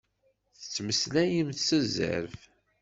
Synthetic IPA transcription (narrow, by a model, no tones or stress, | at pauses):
θə̥t͡sːməslæjəmθsəzə̰ɾf